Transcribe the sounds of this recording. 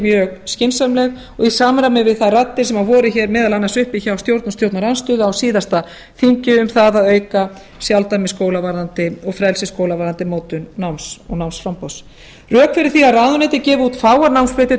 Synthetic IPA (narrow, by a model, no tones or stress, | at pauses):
mjœːɣscɪnsamlɛɣ | ɔɣisaːmaɾamɛvɪðθaðrat̪ːɪɾ̥sɛmavɔːɾɪçɛːɾmɛːðalanːasʏhpiçawst̪jowɾt̪nʊsjowɾt̪naɾɛnst̪ʏːðawsiːðast̪a | θiɲcʏʏmθaðaðœːɥka | sjawlt̪aɾmɪskowlavaɾðant̪ɪɔɣfɾɛlsɪskoːwlavaːɾðant̪ɪmoːwt̪ʏnnawmsɔ̰ɣnawmsfɾampɔws | rœːkfɪɾɪɾ̥θiaraːðʏnɪːt̪ɪcɛːvʏuːt̪faːwaɾnawmspɾɛt̪ɪ